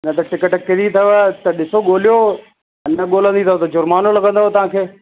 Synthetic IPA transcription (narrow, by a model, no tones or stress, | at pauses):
ɪnɐt̪ɐʈɪkəʈkɪɾit̪ʰɐʋt̪ɐɗɪsoɠoːlijo | ɐnɐɠoːlə̃nd̪it̪ʰɐʋt̪ɐd͡ʑʊɾmaːnolɐɡə̃nd̪ot̪ɐʋ̤ãːkʰeː